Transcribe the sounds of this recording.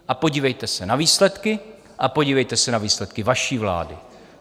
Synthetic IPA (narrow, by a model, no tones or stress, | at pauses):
ʔapo̞ɟiːvɛjt̪ɛsɛnaviːslɛt̪kɪ | ʔapo̞ɟiːvɛjt̪ɛsɛnaviːslɛt̪kɪvaʃiːvla̰ːdɪ